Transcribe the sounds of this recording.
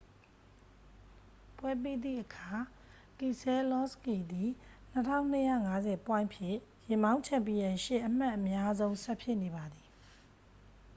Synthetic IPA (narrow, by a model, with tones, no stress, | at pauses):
pwɛ˦p̬e˦d̪ðḭ˦˨ʔəkʰa˨ | ki˨sɛ˦lɔ˦ski˨d̪i˨n̥ətʰã̰˦˨ʊ̃n̥əjä̰˦˨ŋa˦zɛ˨pwã˦˨ɪ̃mpʰjɪ̰̃˦˨jɪ̃˨mã˦ʊ̃t͡ɕʰɛ̃˦˨mpi˨jã˨ʃɪ˦˨ʔəm̥a˦ʔəmja˦zõ˦ʊ̃sɛ˦pʰjɪ˦ʔne˨ba˨d̪i˨